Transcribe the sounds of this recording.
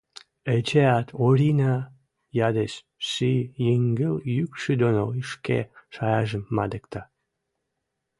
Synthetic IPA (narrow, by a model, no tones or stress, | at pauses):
et͡ɕeɑt̪ʰoɾʲinɑ | jɑd̪eʃ | ʃijjeŋɡəljykʃyd̪onoiʃkḛʃɑjɑʒəmːɑ̰d̪əkt̪ɑ